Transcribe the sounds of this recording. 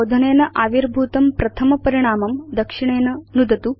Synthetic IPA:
d̪ʱɐɳeːnɐʔaːʋiɾbʱuːt̪ɐmpɾɐt̪ʰɐmɐpɐɾiɳ̃aːmɐmd̪ɐkʂiɳeːnɐnud̪ɐt̪u

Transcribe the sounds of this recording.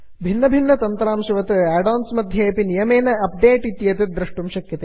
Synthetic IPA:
bʱinːɐbʱinːɐt̪ɐnt̪ɐɾaːmʃiʋɐt̪ɨaːɖoːnsmɐd̪ʱjeːpinijɐmeːnɐɐp̚ɖeːʈit̪jɐt̪ed̪ɾɐʂʈumʃɐkjɐt̪e

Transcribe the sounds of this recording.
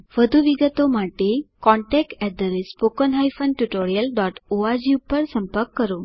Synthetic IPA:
ʋəd̪ʱuʋiɡət̪omaʈekɔɳʈɛk̚ʈɛd̪əɾespokənɦajfənʈuʈoɾijəlɖɔʈoad͡ʑiupəɾsəmpəɾkːəɾo

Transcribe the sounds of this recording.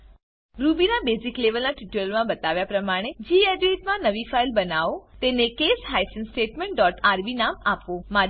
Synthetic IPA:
ɾubinabesikleʋəlnaʈiʈulmãbət̪aʋjapɾəmaɽ̃ed͡ʒieɖeʈmãnəʋifailbənaʋot̪enekesɦaisənsʈeʈmẽɳʈ̚ɖɔʈaɾbinamapoma

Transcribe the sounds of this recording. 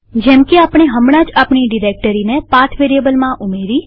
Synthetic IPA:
d͡ʒɛmkeapɽ̃eɦəmɽ̃ãd͡ʒapɳiɖiɾek̚ʈəɾinepat̪ʰʋeɾijəbəlmãʔumeɾi

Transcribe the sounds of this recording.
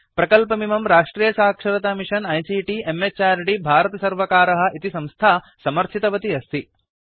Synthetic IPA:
pɾɐkɐlpɐmimɐmɾaːʂʈɾiːjɐsaːkʂɐɾɐt̪aːmiʂɐnɐjsiːʈiemet͡ʃaːɾɖibʱaːɾɐt̪ɐsɐɾʋɐkaːɾɐɦɐ̆ʔit̪isɐ̃mst̪ʰaː | sɐmɐɾt͡ʃʰit̪ɐʋɐt̪iɐst̪ʰi

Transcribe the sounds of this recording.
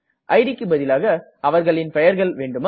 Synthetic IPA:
ʔɐɪɽɪkːɯbɐðɪlaːɣɐ | ʔɐʋɐɾɣɐɭɪnpɛjɐɾɣɐɭʋeːɳɖɯm

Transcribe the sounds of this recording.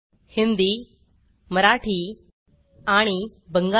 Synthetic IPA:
hind̪iː | məɾaʈʰiː | aɽ̃ibəŋɡa

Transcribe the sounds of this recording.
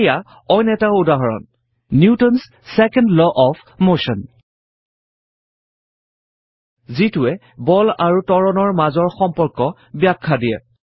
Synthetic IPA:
ja | ɔjnɛtaudaɦɔɹɔ̰nː | jutɔns | sɛkɛndlɔʔɔpʰmoʃɔn | zitʊɛ | bɔlaɹutɔɹɔnɔɹmazɔɹxɔmpɔɹkɔ | bjakʰːadijɛ̰

